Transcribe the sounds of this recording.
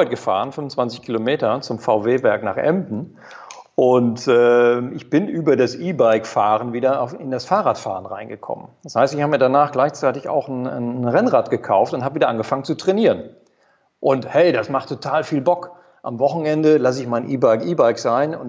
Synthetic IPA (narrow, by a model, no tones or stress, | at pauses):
ɪt̚ɡ̥əfa̰ːʁ̞ənfʏnmʊnt͡sv̥ant͡sɪçkʰilomeːtɐt͡sʊmfaʊveːbɛɐkna̰ːχʔɛ̰mdn̩ | ʔʊntɛːʔɪçb̥ɪnʔyːbɐdasʔiːbaɪkfaːʁənviːdɐaʊfɪndasfaːʁaːtfa̰ːʁənʁa̰ɪnɡəkʰɔ̰mə̰nd̥ashaɪstɪçhabəmiːɐdanaːχɡ̥laɪçt͡saɪtɪça̰ʊxn̩nʁɛnʁaːtɡ̥əkʰaʊftʊnthaːbəviːdɐʔanɡəfaŋənt͡sutʁ̥ɛniːʁən | ʔʊnthɛɪdasmaχtʰːotʰaːlfiːlbɔk | ʔamvɔχn̩ɛndəlas̬ɪçmaɪnʔiːbaɪkiːbaɪkz̥aɪnʊ̰n